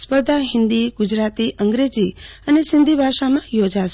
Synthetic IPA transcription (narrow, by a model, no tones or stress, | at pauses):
spəɾd̪ʱaɦɪ̃nd̪iɡud͡ʒɾat̪iʔəŋɡɾed͡ʒiənesɪnd̪ʱibʱaʃamãjod͡ʒaʃ